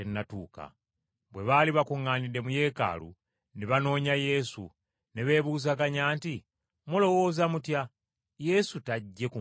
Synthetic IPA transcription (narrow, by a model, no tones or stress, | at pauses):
enːatuːka̰ | βwe̞βaːliβakuŋːaːnide̞muje̞ːka̰ːlṵ | neβano̞ːɲaje̞sṵ | ne̞βe̞ːβuːzakaɲaːnti | mulo̞wo̞ːzamutja | je̞sutaɟːe̞ku